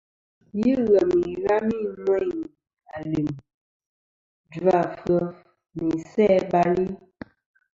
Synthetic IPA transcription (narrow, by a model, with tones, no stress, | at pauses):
ji˦ɣə˨mi˨ɣa˦mi˦˨mɛ˦˨ | a˨li˨m | da˦˨fə˦ | mi˨sɛ˦˨ba˦li˦